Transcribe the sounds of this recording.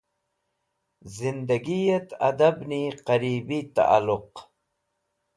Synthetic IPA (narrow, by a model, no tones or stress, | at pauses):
zɪnd̪aɡijat̪a̰d̪abniqaɾiːbit̪a̰ʔa̰lʊq